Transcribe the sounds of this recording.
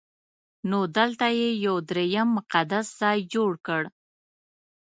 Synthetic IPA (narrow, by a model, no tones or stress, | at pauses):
nod̪əlt̪ajejawd̪ɾejamːʊqad̪asz̥ɑjd͡ʒoɽkəɽ